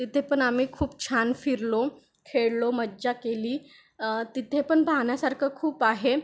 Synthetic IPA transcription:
t̪it̪ʰepəɳam̤iːkʰuːp̚t͡ɕʰanfiɾlo | kʰeɭloməd͡ʑakeliː | t̪it̪ʰepəɳbʱaɳjasaɾkʰəkʰuːpaɦe

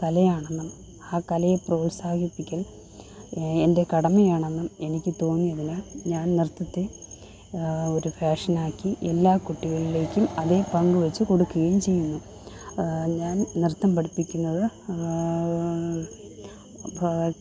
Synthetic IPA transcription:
kɐlɐjaːɳe̞nːɐm | aːkɐlɐjeproːlsaːkʰipːikʲːɐl | e̞ndekɐɽɐmɐjaːɳenːɐme̞nikʲːɨt̪o̞ːnːijɐðinaːɲaːnnirt̪ːɐt̪ːe | o̞ɾubʱeːʂɐnaːkːiʔelːaːkuʈːiɣɐɭile̞ːkʲːumɐðe̞pɐŋɡuʋɐt͡ɕːɨko̞ɽukːuɣɐjumt͡ɕe̞jːunːu | ɲaːnnirt̪ːɐmpɐɽipːikʲːunːɐðɨ

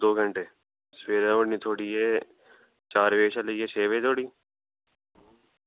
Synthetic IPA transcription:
d̪oːɡʱəɳʈeː | sʋeːɾãoːɽniːt̪ʰoːɽiːe | t͡ʃaːɾʋeːʃaləieːt͡ʃʰeːʋeːt̪oːɽiː

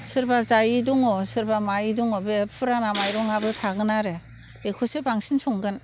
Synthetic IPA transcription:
sɯɾbazajiduŋɔsɯɾbamajiduŋɔbepʰɯɾanamajɾɔŋabɯtʰaɡɯnaɾe | ekʰɔsebaŋsinsɔŋɡɯn

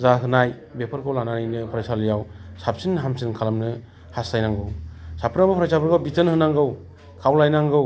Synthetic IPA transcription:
zaɦɯnaj | bepʰɯɾkʰɯwlananɯjnɯpʰɾajsalɯjawsap̚sinɦamsinkʰalamnɯ | hastajnaŋɡɯwsapʰɯnabapʰɾajsabɯɾɡabitɯnhɯnaŋɡɯw | kʰawlajnaŋɡɯw

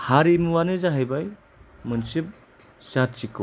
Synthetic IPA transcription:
haɾimuwanɯzaɦajbaj | mɯnsip̚ | sat̚t͡ʃikɯ

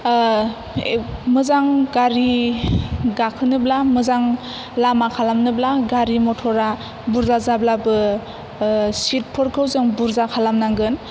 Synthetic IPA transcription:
mɯzaŋɡaɾi | ɡakʰɯnɯblamɯzaŋ | lamakʰalamnɯblaɡaɾimɔtʰɔɾa | buɾzazablabɯ | sit̚pʰɔɾkʰɯwzɯŋbuɾzakʰalamnaŋɡɯn

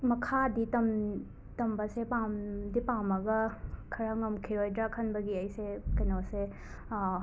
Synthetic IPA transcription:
mɐkʰaditɐm | tɐmbɐsepamdipamɐɡɐkʰɐɾaŋɐmkʰiɾojdɾakʰɐnbɐɡiɐjsekɐjnose

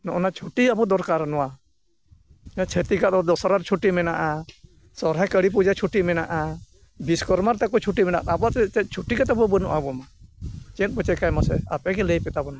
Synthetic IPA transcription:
nɔʔɔnat͡ʃʰuʈiabɔd̪ɔɾkaɾnɔwa | at͡ʃʰet̪ikat̪ɔd̪ɔsaɾaɾt͡ʃʰuʈimɛnaʔa | sɔɾɦajkəɽip̬ud͡ʒat͡ʃʰuʈimɛnaʔa | biskɔɾmaɾt̪ɛkɔt͡ʃʰuʈimɛna̰ʔt̪abɔat̪ɛt͡ʃɛt̪̚ˀt͡ʃʰuʈikat̪abɔbənɔ̰ʔabɔmat͡ʃɛ̃t̪̚pɔt͡ʃɛkajmasɛa̰pɛɡɛlejpɛt̪abɔna

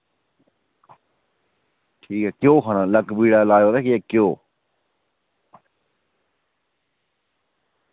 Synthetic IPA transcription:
ʈʰiːkɛːkjoːɦənaːləkbiːɽaːlaːjoːd̪aːkiɛːkjoː

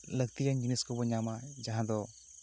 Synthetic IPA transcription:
ləɡt̪ijaɲd͡ʒuniskɔbɔɲamad͡ʒaɦãd̪ɔ

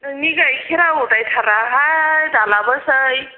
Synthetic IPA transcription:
niɡajkʰiɾaɦoʈajtʰaɾaɦajd̪alabəsəj

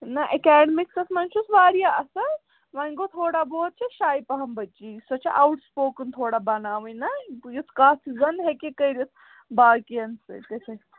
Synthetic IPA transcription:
nɐʔɐkɛːɖmiksɐsmɐnt͡ʃʰusʋaːɾjaɐsɐ | ʋɐŋɡot̪ʰoːɽaboːt̪̚t͡ʃʰeʃaːjipɐɦɐmbɐt͡ʃisɐt͡ʃʰiʔawʈspoːkunt̪ʰoːɽabɐnaːʋɐnɐjisʰkaːsizɐnɦekekɐiɾisʰ | baːkijɐnsɨ̰kɐt͡ʃʰɐ

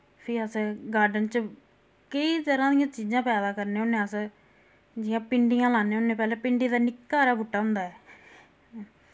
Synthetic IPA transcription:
pʰiːəsɡaːɾɖənt͡ʃə | kəit̪əɾãːd̪ɪijãːt͡ʃiːd͡ʒãːpɛːd̪aːkəɾneːʊnːẽːəs | d͡ʒɪjãːpɪɳɖijãːlaːneːʊnːẽːpɛːleːpɪɳɖiːd̪aːnɪkːaːɾaːbʊʈːaːɦʊ̃nd̪aːɛː

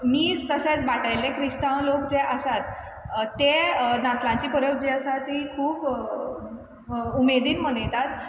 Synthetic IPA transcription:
miːd͡zt̪əɕẽt͡sbaʈajlekʰɾist̪ãwlokd͡zeʔəsat̪ː | enãt̪lãɲt͡ɕiːpəɾjok̚d͡ʑeəsat̪ɦikʰuːp | umed̪iːnməɽ̃ejt̪at̪

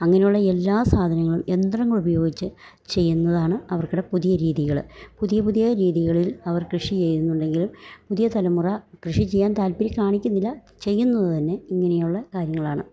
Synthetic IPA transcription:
ɐŋːɐnejuɭːɐe̞lːaːsaːd̪ʱɐnɐŋːɐɭume̞nd̪rɐŋːɐɭubɐjo̞ːɡit͡ɕːɨ | t͡ɕe̞jːunːɐðaːɳɨɐʋɐrkuɽe̞puðijɐɾiːðiɣɐɭpuðijɐpuðijɐɾiːðiɣɐɭilɐʋɐrkrɨʂit͡ɕe̞jɾunːuɳɖe̞ŋɡilumpuðijɐt̪ɐlɐmurɐkrɨʂit͡ɕejːaːnt̪aːlpiɾikʲːaːɳikʲːunːilːɐ | t͡ɕe̞jːunːɐðɨt̪ɐnːe̞iŋːɐne̞juɭːɐkaːɾjɐŋːɐɭaːɳɨ

